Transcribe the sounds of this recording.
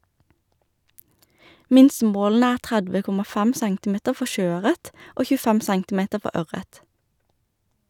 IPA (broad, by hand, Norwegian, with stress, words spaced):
ˈmɪnsəˌmoːln̩ə ˈæːʁ ˈtʁædʋə ˈkʊmɑ ˈfæm ˈsæŋtɪˌmeːtəʁ ˈfɔ ˈʃøːˌœʁət ˈoː çʉːˈfɛm ˈsæŋtɪˌmeːtə ˈfɔ ˈœʁət